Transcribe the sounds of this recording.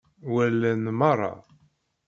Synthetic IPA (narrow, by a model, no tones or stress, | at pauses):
wælːænmɑrˤːɑ̰